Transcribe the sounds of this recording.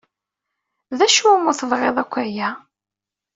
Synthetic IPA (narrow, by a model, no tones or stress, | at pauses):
ðæʃumʊθəvʁeðˤækʷːæjæ